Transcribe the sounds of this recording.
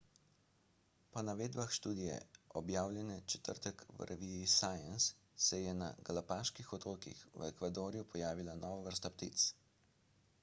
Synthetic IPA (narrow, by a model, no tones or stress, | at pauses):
pɔnaʋeːd̪baxʃt̪uːd̪ijɛ̰ɔbjaːwlʲjɛnɛt͡ʃɛ̥t̪ə̰ɾt̪ɛkʋ̰ɾʔɛʋizːsaːjansː | ɛjɛna̰ɡalapaːʃkixɔt̪ɾoːkḭxʋ̰ɛkʋad̪oːɾijupʰɔjaːʋilanɔːʋaʋəɾst̪apt̪ḭt̪s